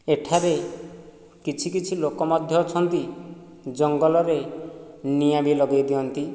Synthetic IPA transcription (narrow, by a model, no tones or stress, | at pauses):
eʈʰaɾe | kit͡ʃʰikit͡ʃʰilokɔmɔd̪ʱjɔt͡ʃʰɔnt̪i | d͡ʒɔŋɡɔlɔɾe | niabilɔɡejd̪iɔnt̪i